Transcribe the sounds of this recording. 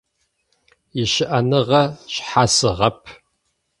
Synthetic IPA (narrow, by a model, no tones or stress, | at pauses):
jɪʃɪʔɐnɨʁɐɕħasɨʁɐpʰ